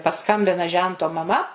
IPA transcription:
pɐˈskɐmʲbʲɪnɐ ˈʒʲɛntoː mɐˈmɐ

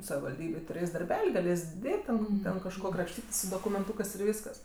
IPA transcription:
sɐʋʲɪʋɐlʲˈdʲiːbʲeːj tʊˈrʲeːsʲ dɐrʲˈbʲɛlʲ ɪ ɡɐˈlʲeːsʲ ˈdʲeːt tʲɛn ˈtʲɛn kɐʃˈkoː krɐpʲˈʃʲtʲiːtʲeːsʲ sʊ doːkʊmʲɛnˈtuːkɜs ɪr ˈʋʲiːskɐs

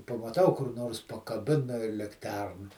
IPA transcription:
pɐmɐˈtɐʊ kʊr ˈnoːrs pɐkɐˈbʲɪnɐ ɪ lʲɪkˈtʲɛrnɐ

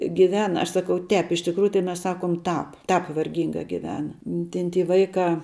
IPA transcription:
ɡʲɪˈʋʲæːnɐ ˈɐʃ ˈsɑːkɐʊ ˈtʲɛːp ɪʃ tʲɪkˈruːjʊ tɐɪ ˈmʲɛs ˈsɑːkoːm ˈtɑːp ˈtɑːp ʋɐrʲˈɡʲiːŋɡɑː ɡʲɪˈʋʲæːnɐ ˈtʲɛn tʲiː ˈʋɐɪkɑː

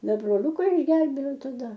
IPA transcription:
ˈdɐ broːˈlʲʊkɐ ɪʒʲˈɡʲɛlʲbʲeːjɛʊ tɐˈdɐ

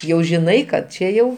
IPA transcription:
ˈjɛʊ ʒʲɪˈnɐɪ kɐt ˈt͡ʃʲɛ jɛʊ

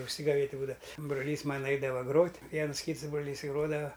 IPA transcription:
ʊʃʲsʲɪɡɐˈʋʲeːtʲ ˈbuːdɐʋɐ broːˈlʲiːs ˈmɑːnɐ ˈɐɪdɐʋɐ ˈɡroːtʲ ˈʋʲiɛns ˈkʲiːts ˈbroːˈlʲiːs ɪ ˈɡroːdɐʋɐ

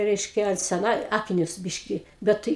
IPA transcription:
ˈrʲɛɪʃʲkʲɛ sʲɛˈnɐ ˈɑːkʲɪnʲʊs ˈbʲɪʃʲkʲiː ˈbʲɛt tɨɪ

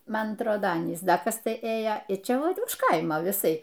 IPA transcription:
ˈmɐn ɐtˈroːdoː ˈɑːnʲiːs ˈdɐ ˈkɐs ˈtɐɪ ˈeːjoː ɪr ˈt͡ʃʲɛ ˈʋɐt ʊʃ ˈkɐɪmoː ʋʲɪˈsɐɪ

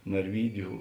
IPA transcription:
nɐrʲˈʋʲiːdʲʊ

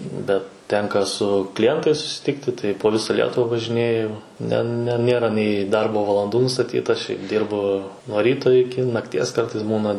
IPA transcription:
bʲɛt ˈtʲɛŋkɐ sʊ klʲɪˈjɛntɐɪs sʊsʲɪˈtʲɪktʲɪ tɐɪ poː ˈʋʲɪsɐ ˈlʲiɛtʊʋɐ ʋɐʒʲɪˈnʲeːjʊ nʲɛ nʲɛ ˈnʲeːrɐ nʲɛɪ ˈdɐrboː ʋɐlˠɐnˈduː nʊstɐˈtʲiːtɐ ʃʲɛɪp ˈdʲiːrbʊ nuɔ ˈrʲiːtoː ɪˈkʲɪ nɐkˈtʲiɛs ˈkɐrtɐɪs ˈbuːnɐ

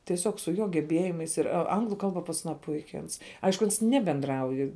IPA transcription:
tʲiɛˈsʲoːk sʊ ˈjoː ɡʲɛˈbʲeːjɪmɐɪs ɪr ɐ ˈɐŋɡlˠʊ ˈkɐlˠbɐ pɐs ɐˈnɑː ˈpʊɪkʲɪ ˈɐns ˈɐɪʃkʊ ˈɐns ˈnʲæːbʲɛndrɐʊj

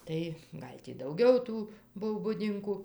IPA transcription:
ˈtɐɪ ˈɡɐlʲ tʲiː dɐʊˈɡʲɛʊ ˈtuː ˈbʊw bʊˈdʲɪŋkʊ

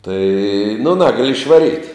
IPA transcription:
tɐɪ nʊ ˈnɑːɡɐlʲɪ ɪʃʋɐˈrʲiːtʲ

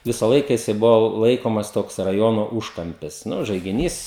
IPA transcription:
ˈʋʲɪsɐ ˈlˠɐɪkɐ ˈjɪsɐɪ ˈbʊʋoː ˈlˠɐɪkoːmɐs ˈtoːks rɐˈjoːnoː ˈuːʃkɐmʲpʲɪs ˈnʊ ʒɐɪɡʲɪˈnʲiːs

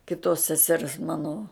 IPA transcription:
kʲɪˈtoːs sʲɛˈsʲɛrs ˈmɑːnoː

